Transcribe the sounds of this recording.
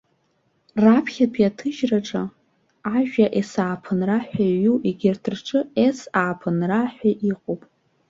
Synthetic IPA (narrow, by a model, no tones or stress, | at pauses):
rapʰχʲapʰjatʰɨʒraʈ͡ʂʼa | aʒᶣaʔesaːpʰɨnraħʷᶣaɥuʔiɡʲɪrtʰɨrʈ͡ʂʰʼɨesaːpʰɨnraħʷᶣaʔiqʼowpʼ